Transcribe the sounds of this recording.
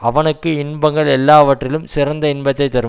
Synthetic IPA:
ɐʋɐnɯkːɯɪnbɐŋɡɐɭɛlːaːʋɐʈrɪlɯmsɪɾɐnd̪ɐɪnbɐt̪ːɐɪt̪ːɐɾɯ

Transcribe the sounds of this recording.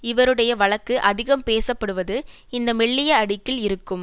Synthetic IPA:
ɪʋɐɾɯɽɐjɐʋɐɭɐkːɯʔɐðɪɣɐmpeːsɐpːɐɽɯʋɐðɯ | ɪnd̪ɐmɛɭːɪjɐɐɽɪkːɪlɪɾɯkːɯm

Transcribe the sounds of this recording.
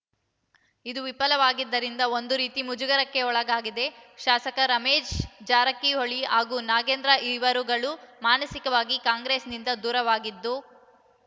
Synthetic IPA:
id̪uʋipɐlɐʋaːɡid̪ːɐɾind̪ɐond̪uɾiːt̪imud͡ʒuɡɐɾɐkːe̞ɔɭɐɡaːɡid̪e̞ʃaːsɐkɐɾɐmeːd͡ʒd͡ʒaːɾɐkːiɦoɭiɦaːɡuːnaːɡeːnd̪ɾɐʔiʋɐɾuɡɐɭumaːnɐsikɐʋaːɡikaːŋɡɾeːsnind̪ɐd̪uːɾɐʋaːɡid̪ːu

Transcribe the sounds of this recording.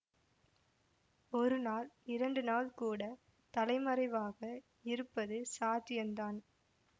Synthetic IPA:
ɔɾɯnaːlɪɾɐɳɖɯnaːlkuːɽɐ | t̪ɐlɐɪmɐɾɐɪʋaːɣɐ | ɪɾɯpːɐðɯsaːt̪ːɪjɐnd̪aːn

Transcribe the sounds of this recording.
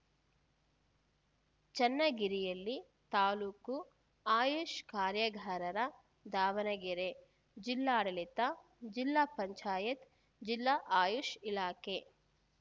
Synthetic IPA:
t͡ʃɐnːɐɡiɾijɐlːi | t̪aːluːku | aːjuʃkaːɾjɐɡʱaːɾɐɾɐ | d̪ʱaːʋɐnɐɡiɾe | d͡ʒilːaːɽɐlit̪a | d͡ʒilːapɐɲt͡ʃaːjɐt̪ | d͡ʒilːaʔaːjuʃilaːke

